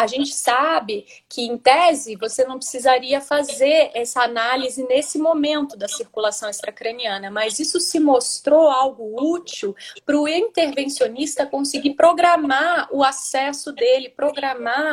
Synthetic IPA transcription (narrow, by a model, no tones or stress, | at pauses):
aʒẽnt͡ʃɪ̥sabɪ | kɪẽt̪ɛzɪvosenɐ̃w̃pɾɪ̥sizaɾiɐfazeɾɛsɐanalizɪnesɪmomẽnt̪ʊd̪ɐsiɾkulasɐ̃w̃ɛst̪ɾɐkɾeniɐ̃nɐmɐzisʊsɪmost̪ɾoawɡʊut͡ʃiwpɾʊĩt̪eɾvẽsionist̪ɐkõsɪɡipɾoɡɾamaʊasɛsʊd̪elɪpɾoɡɾama